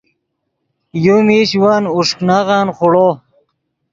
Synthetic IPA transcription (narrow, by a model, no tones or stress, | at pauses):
jumiɕwanuʂknaʁanχʊɽo